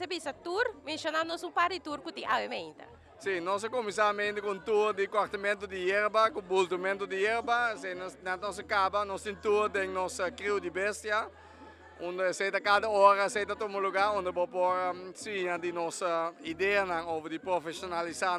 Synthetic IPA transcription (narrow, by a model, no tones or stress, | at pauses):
sebisɐt̪uɾmẽnsjonanɔsũŋpaɾd̪it̪uɾkut̪ĩŋʔawemẽnt̪ɐ̰ | sinɔs̬ekomisamẽnt̪ekũnt̪uɾd̪ikoaɾt̪ɐmẽnt̪ud̪ijeɾbɐkũbult̪umẽnt̪ud̪ijeɾbɐsejnnãnɔs̬ɐkabɐnɔst̪ĩnt̪uɾd̪eŋnɔsɐkɾiwd̪ibest̪jɐ | ũnd̪esejt̪ɐkad̪ɐoɾɐsejt̪ɐt̪omoluɡaɾõnd̪ebopoɾɐsiɲɐd̪inɔsɐid̪eɐnãŋovd̪ipɾofesonalisa